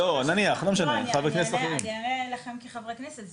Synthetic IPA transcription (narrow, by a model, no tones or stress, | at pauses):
onaniaχlomeʃaneχavʁekneslaχunelaχemkiχavʁekneset